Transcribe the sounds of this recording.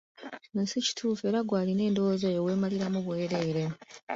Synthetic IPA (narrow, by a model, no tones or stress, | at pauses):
mesici̥tʰuːfe̞ːɾaɡwaːline̞ːndo̞ozojowe̞ːmaliɾamuβwe̞ːɾe̞ːɾe̞